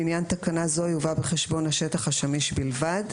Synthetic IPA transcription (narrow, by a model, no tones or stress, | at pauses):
injant̪akanazojuvabeχeʃbo̞nhaʃetaχhaʃamiʃbilvad